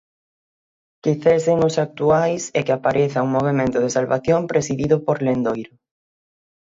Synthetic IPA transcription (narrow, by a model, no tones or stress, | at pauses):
kɪθeseŋʊsak̚t̪uajsɛkeapaɾʔeθauŋmoβ̞emẽnt̪ʊð̞esalβaθjompɾesiðiðʊpoɾlend̪ojɾʊ